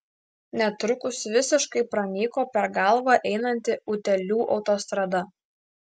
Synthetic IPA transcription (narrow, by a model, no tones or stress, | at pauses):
nʲɛt̪ɾʊkʊsʋʲɪsʲɪʃkɐɪpɾɐnʲiːkoːpʲɛɾɡɑˑlˠʋɐʔɛɪnɐnʲt̪ʲɪʊt̪ʲɛlʲuːʔɒʊt̪oːst̪ɾɐd̪ɐ